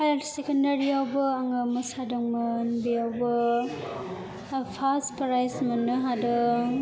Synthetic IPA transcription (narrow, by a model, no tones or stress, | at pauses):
hajasekɐndaɾiawbɐːŋɯmɐsadɔŋmɐnbijawbɐ | pʰaspɾajzmɐnɯɦadɯ